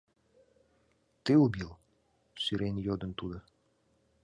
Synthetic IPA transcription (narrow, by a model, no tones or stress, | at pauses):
t̪ɨubil | syɾenjod̪ə̆nt̪ud̪ə̆